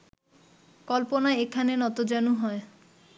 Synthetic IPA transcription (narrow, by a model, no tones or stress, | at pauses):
kɔlponaekʰanenɔt̪od͡ʒanuɦɔe